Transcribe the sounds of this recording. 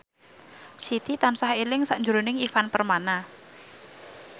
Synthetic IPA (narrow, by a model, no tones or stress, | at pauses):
sit̪it̪ansahelɪŋsaʔɲd͡ʒuɾonɪŋifanpərmana